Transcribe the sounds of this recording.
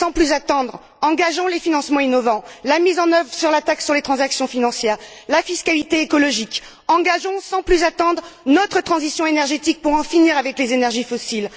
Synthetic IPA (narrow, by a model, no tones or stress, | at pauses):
sɑ̃plyzat̪ɑ̃d̪ʁ | ɑ̃ɡaʒɔ̃lefinɑ̃smɑ̃inɔvɑ̃lamizɑ̃nœvʁsyʁlat̪aksyʁlet̪χɑ̃zaksjɔ̃finɑ̃sjɛːʁlafiskalit̪eːkɔlɔʒik | ɑ̃ɡaʒɔ̃sɑ̃plyzat̪ɑ̃d̪ʁnɔt̪χət̪χɑ̃zisjɔ̃enɛʁʒet̪ik̚puʁɑ̃finiʁavɛklezenɛʁʒifɔsil